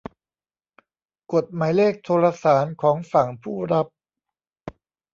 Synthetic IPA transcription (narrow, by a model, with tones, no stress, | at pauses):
ko˨˩t̪̚maː˩˦jleː˥˩k̚t̪ʰoː˧la˧saː˩˦nkʰɔː˩˦ŋfa˨˩ŋpʰuː˥˩ɾa˦˥p̚